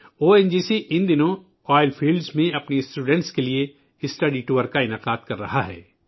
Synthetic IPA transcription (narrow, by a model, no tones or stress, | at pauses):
oːɛnd͡ʒiːsiʔɪnd̪ɪnõ | ɔːɪlfʰiːlɖzmẽɐpnisʈuːɖɛ̃ɳʈskelie | ɪsʈɐɖiʈuːʋəɾkaɪnaːqaːd̪̚kɐɾːɐ̰ɦaɦɛ̰ː